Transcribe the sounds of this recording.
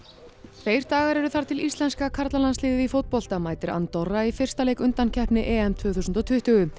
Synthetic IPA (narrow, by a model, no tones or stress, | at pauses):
θeːjɾ̥t̪aːɣaɾɛɾʏθaɾ̥t̪ʰɪlist̪lɛnskakʰaɾt̪lalanslɪːðɪifowt̪̚pɔl̥t̪amaːjt̪ɪɾa̰nt̪ɔrːaifɪr̥st̪alejkʏnt̪ancʰɛhpnɪʔɛːɛmt̪ʰvœːθusʏnt̪ɔt̪ʰʏht̪ʏɣʏ